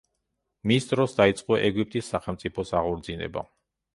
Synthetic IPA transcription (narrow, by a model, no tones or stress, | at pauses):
misd̪ɾɔsd̪ait̪sʼqʼɔʔɛɡip̚t̪ʼisːaχɛlˠmt̪sʼipʰɔsaʁɔɾd̪zinɛ̰ba̰